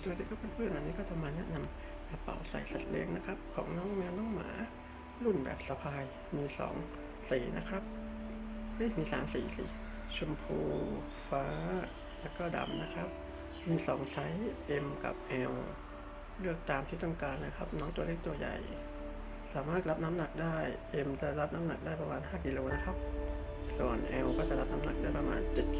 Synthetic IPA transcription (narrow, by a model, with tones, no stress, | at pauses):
t̪u˧leː˥˩kːɔː˥˩pe˧npʰɯ˥˩˨nʔa˧nːiː˦˥kɔː˥˩pʰa˧maː˧nːi˦˥na˧m | ʔa˧pa̰˨˩wsa̰˨˩jsa̰˨˩t̪̚lḛ˦˥ŋna˦˥kʰa˦˥p̚kʰɔː˩˦ŋnɔː˦˥ŋmɛː˧wnɔː˦˥˨ŋma̰ː˨˦ | lu˥˩nbɛ̰ː˨˩p̚sa˧pʰaː˧j | miː˧sɔ̰ː˩˦ŋ | siː˨˩na˦˥kʰɾa˦˥p̚ | li˦˧˥k̚miː˧saː˩˦msiː˨˩sḭː˨˩˦t͡ɕʰo˧mpʰuː˧ | faː˦˥˦ | lɛ˧˥kɔː˧˩da̰˨˩mna˦˥kʰɾa˦˥p̚ | miː˧sɔː˨˩˦ŋsa˦˥jʔe˧mka̰˨˩p̚ʔɛː˧w | lɯ˥˩ək̚t̪aː˧mt̪ʰiː˧˩t̪ɔ˥˩ŋkaː˧nna˦˥kʰa˦˥p̚nɔː˦˥ŋt̪u˧leː˥˩k̚t̪u˧əja̰˨˩j | saː˩˦maː˥˩t̪̚la˦˥p̚na˦˥mna˨˩k̚daː˥˩jʔe˧mt͡ɕa˧˩la˦˥p̚na˦˥mna˨˩k̚daː˥˩jpa˧maː˧nɦaː˥˩ki˧loː˧na˦˥kʰa˦˥p̚ | su˨˩ənʔɛː˧wkɔː˥˩t͡ɕla˦˥p̚na˦˥mna˨˧˩k̚daː˥˩pa˧ma̰ː˧nt͡ɕe˨˩t̪̚